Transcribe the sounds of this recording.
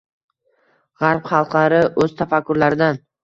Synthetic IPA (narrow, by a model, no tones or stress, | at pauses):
ʁɑɾpχɑlˠqlaɾɪʔɵz̥t̪ʰafakʰːʊɾlaɾɪd̪an